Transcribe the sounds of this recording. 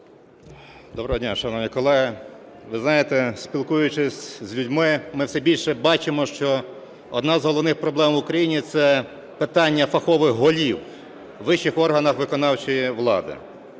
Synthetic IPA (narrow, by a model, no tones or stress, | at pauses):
d̪ɔbɾɐɦɔdʲnʲaʃɐnɔʋnʲikɔlˠɛɦɪ | ʋɪznɑjet̪ɛsʲpʲilˠkujʊt͡ʃɪsʲzʲlʲudʲmɪmɪwsɛbʲilʲʃɛbɑt͡ʃɪmɔʃt͡ʃɔ | ɔd̪nɑzɦɔlˠɔwnɪxpɾɔblˠɛmʋʊkɾɐjinʲit̪sɛ | pɪt̪ɑnʲːɐfɐxɔʋɪxɦɔlʲiwː | ɪʃɪxɔrɦɐnɐxʋɪkɔnɑwt͡ʃijiʋlˠɑ̰d̪ɪ̰